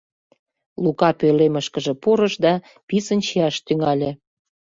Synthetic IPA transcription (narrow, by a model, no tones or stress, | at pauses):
lukɑpøleməʃkəʒĕpuɾə̆ʃd̪ɑ | pisənt͡ɕiɑʃt̪yŋɑlʲĕ